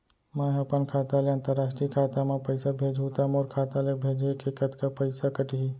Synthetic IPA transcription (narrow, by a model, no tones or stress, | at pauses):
mãːɦɐpankʰaːt̪aleə̃nt̪əɾːaːsʈɾikʰaːt̪amãpəɪsabʱeːd͡ʒʱut̪amoːɾkʰaːt̪alebʱeːd͡ʒekʰekət̪kapəɪsakəʈiɦi